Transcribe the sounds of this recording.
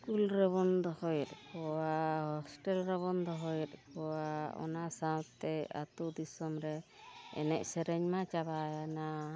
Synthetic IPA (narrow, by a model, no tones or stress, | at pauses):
skulɾɛβɔnd̪ɔhɔjɛt̪̚kɔwahɔsʈɛlɾɛβɔnd̪ɔɦɔjɛt̪̚kɔwaɔ̰nasat̪ɛa̰t̪ud̪isɔmɾɛ | ɛ̰nɛc̚sɛɾɛɲmat͡ʃabajana